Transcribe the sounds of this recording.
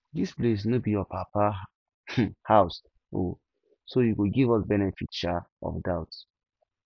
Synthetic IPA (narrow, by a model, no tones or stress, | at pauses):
disples̬nobijɔpʰapa | haʊs | o̰ | sojuɡoɡivɔsbɛnɛfitʃaɔ̰fdawt